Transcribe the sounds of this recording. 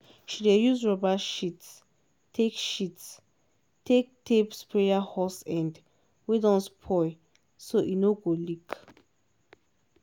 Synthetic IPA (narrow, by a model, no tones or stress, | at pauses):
ʃidejuzɹɔbaʃits | tʰekʃits | tʰek̚tʰepspɹejahɔsɛ̃nd | wedɔ̃nspʰɔɪ | soʔinoɡolik